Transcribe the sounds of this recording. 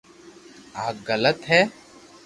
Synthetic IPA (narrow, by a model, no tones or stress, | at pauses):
aːkɡələt̪ɦɛː